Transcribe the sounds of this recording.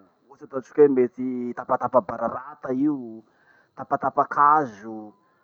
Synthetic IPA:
ut͡sat̪at͡ʃu̥kʲemet͡sit̪apat̪apabaɾaɾat̪aiu | t̪apat̪apakʰazu

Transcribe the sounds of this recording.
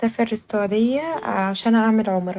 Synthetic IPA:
æferːɪst̪owæd̪ejːæaʃæːnʔaʕmelʕomɾ

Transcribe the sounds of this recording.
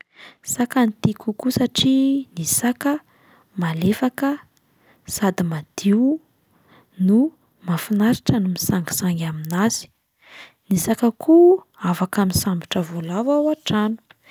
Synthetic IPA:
sakant̪ikukusaʈ͡ʂinisakə | malefakə | sad̪imad̪̥iw | nu | mafinaɾiʈ͡ʂənumisaŋɡi̥saŋɡʲaminaz̥i̥ | nisakəkʰu | avakamisambiʈ͡ʂəvolavawaʈ͡ʂanu̥

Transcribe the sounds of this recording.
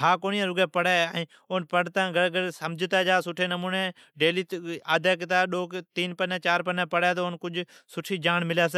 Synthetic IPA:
ɦaːkoːniːãɾʊɡeːpəɽaːɛ̃ː | oːnpəɽt̪ãːɡəɽɡəɽsəmd͡ʒʱt̪aːd͡ʒaːsʊʈʰeːnəmuːneː | ɖeːliːaːd̪aːk̬ɪt̪aːɗoːkt̪iːnpənɛ̃ːt͡ʃaːɾpəneːpəɽaːt̪onkʊd͡ʒsʊʈʰiːd͡ʒaːɳmɪlaːs̬ː

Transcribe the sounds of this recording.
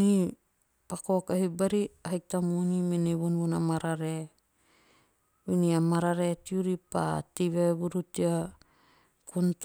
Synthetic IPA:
ni | pakokahibaɾiaɦik̚tamunimeneβunβunamaɾaɾe | winiamaɾaɾetiuɾipa̰tiβeβuɾutia | kunt

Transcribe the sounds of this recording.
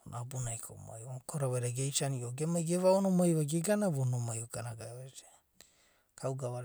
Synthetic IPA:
onabunajkʰo̰ma̰jakoɾaβeɾeɡejt͡ʃanioɡemaɡeβaonomajβaɡeɡanaβonomajokanaɡaβete | kʰawɡaβa

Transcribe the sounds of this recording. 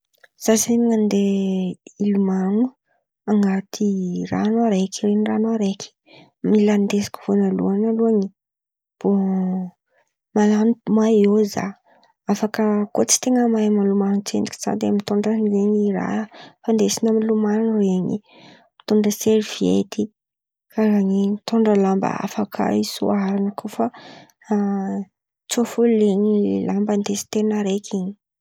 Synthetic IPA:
z̥azeɲiŋand̪e | ilumaŋu | aŋɡat̪ʰira̰nuaɾekʰiɾenranaɾekʲʰi̥ | miland̪esi̥kʲu̥vonalṵanaluaɲi | b̥o | malanumajoza̰ | afakəkot͡si̥t̪eŋəmajamalumannt͡send̪i̥kʲi̥z̥a̰d̪eamit̪uɳɖ͡ʐanizeɲiɾa̰fand̪esinamilumaneɲḭ | mi̥t̪uɳɖ͡ʐəseɾiv̥iḛt̪ʰi | kaɾaɲint̪uɳɖ͡ʐəlambə̰a̰fakʰə̰isṵaɾanəkʰofa | t͡sofuliɲilambənd̪esi̥t̪enəɾekʰiɲi̥

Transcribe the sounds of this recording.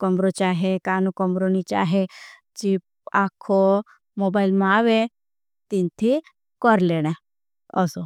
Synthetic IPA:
kɔmɾot͡ʃaːɦekaːnũkɔmɾonit͡ʃa̰ːɦe | t͡ʃip | akʰo | moːbailmãaʋe | t̪int̪ʰi | kɔɾleɽ̃ẽ | ɔ̰so

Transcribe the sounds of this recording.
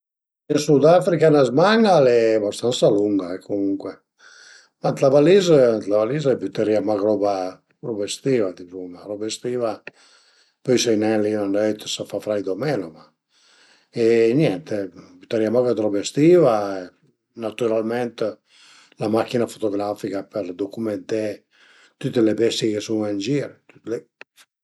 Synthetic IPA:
insud̪afɾikanazmaŋɡalɛbast̪ansaluŋɡaɛkʰomuŋkwɛ | mant̪lavalizəant̪lavalizɛpyt̪eɾiamaɣɾɔba | ɾɔbest̪ivad̪ipumaɾɔbest̪iːva | pɔjsɛjnɛlinanɛjt̪ə̥safafɾajd̪omɛloma | enjɛnt̪ebyt̪eɾiamaɡad̪ɾɔbest̪ivae | nat̪yɾalmɛnt̪ | lamakːinafot̪oɡɾafikapeɾd̪okumɛnt̪e | t̪ut̪ːelebɛst̪jikesuŋɛnd͡ʒiɾet̪y̥t̪le

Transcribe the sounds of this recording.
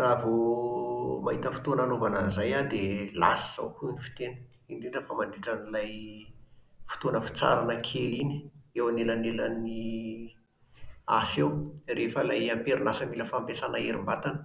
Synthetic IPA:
ravu | maɦit̪əfi̥t̪onanovanazajad̪ela̰si̥z̥a̰wkuinifi̥t̪enə̥ | iɳɖ͡ʐeɖ͡ʐəfamaɳɖ͡ʐiʈ͡ʂənilaj | fu̥t̪onəfi̥t͡sa̰ɾanəkʰelini̥ewanelaneləni | asewrefəlajampeɾunasəmiləfampesanaeɾimbat̪anə

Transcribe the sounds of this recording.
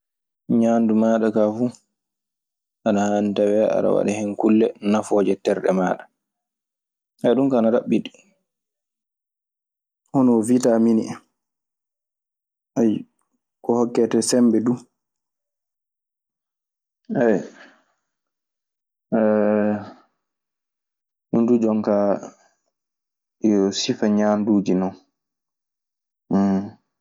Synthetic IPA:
ɲandumaːɗakafu | ʔanahaːnitawɛa̰ɗa̰wa̰ɗɛhɛnkulːɛnafɔd͡ʒɛtɛɾɗɛ̰maːɗḁ | ʔaɗumkaanaɾaɓːiɗi̥ | hɔnɔvitaminḭɛ | ʔaj | kɔhɔkːɛtɛsɛmbɛdu | ɛj | ɛ | hundud͡ʒɔŋka | jɔsifaɲaːnduːd͡ʒinɔn

